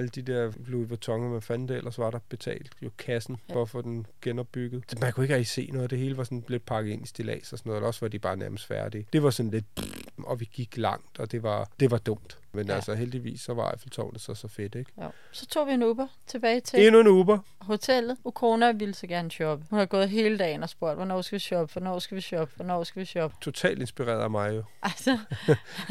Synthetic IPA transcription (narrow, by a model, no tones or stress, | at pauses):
æləd̥id̥eɐ̰bluʋet͡sʰɒ̽ŋɐmænfæn̰d̥eel̰ʔɐsʋɑ̈ɾ̥ɑ̈b̥e̝t͡sʰɛ̰ːld̥jo̝kʰæsn̩ɒfɔd̥enɡ̥enɒ̽b̥ːyɡ̥ð̩ˠmænkʰue̝ɡ̥ʁæɡ̥ise̝̰ːnɔ̽ːð̞̩ˠd̥e̝ɦe̝ːləʋɑ̈sɒ̽nble̝d̥̚pʰɑ̈ɡ̥ð̩ˠe̝nisd̥elɛ̰ːsɒsnɔðˠelɐɒ̽sʋɑ̈d̥ib̥ɑ̈ːnæɐməsd̥fæɐd̥id̥e̝ʋɑ̈sɒ̽nle̝d̥ɒ̽ʋiɡ̥iɡ̥lɑ̈ŋ̰d̥ɒ̽d̥e̝ʋɑ̈d̥e̝ʋɑ̈d̥ɔ̽m̰d̥ | menælsɐɦeld̥iʋḭːsːɒʋɑ̈flt͡sʰɒ̰ʊd̥ð̩ˠsɒsɒ̽fe̝d̥eɡ̥jo̰ | sɒ̽t͡sʰo̝̰ːʋienuːb̥ɐ | t͡sʰe̝b̥ɛːɪt͡sʰe̝e̝nuenuːb̥ɐ | ho̝t͡sʰel̰ð̩ˠukʰo̝ːnæʋiləsɒ̽ɡ̥æɐnəɕɒ̽b̥əhunhɑ̈ɡ̥ɔ̽ːð̞̩ˠɦe̝ːləd̥ɛ̰ːɪn̩ɒ̽sb̥o̝ɐ̰d̥ʋɒnɒ̰ːsɡ̥æʋiɕɒ̽b̥əfɒnɒ̰ːsɡ̥æʋiɕɒb̥əʋɒnɒ̰ːsɡ̥æʋiɕɒ̽b̥ə̥t͡sʰo̝t͡sʰɛ̰ːlde̝nsb̥iʁɛ̰ːɐðˠmɑ̈ɪjo̝ʔælsɐ